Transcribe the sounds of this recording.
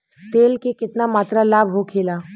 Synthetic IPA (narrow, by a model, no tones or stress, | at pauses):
t̪eːlkekɪt̪namaːt̪ɾalaːbʱɦokʰeːlaː